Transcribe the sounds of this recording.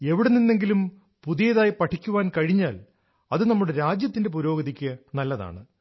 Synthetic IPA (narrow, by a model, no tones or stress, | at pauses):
e̞ʋiɽeninːe̞ŋɡilum | puðijɐðaːjipɐʈʰːikʲːuʋaːnkɐɻiɲːaːl | ɐðɨnɐmːuɽeɾaːd͡ʑjɐt̪ːindep̬uɾo̞ːɡɐðikʲːɨnɐlːɐða̰ːɳɨ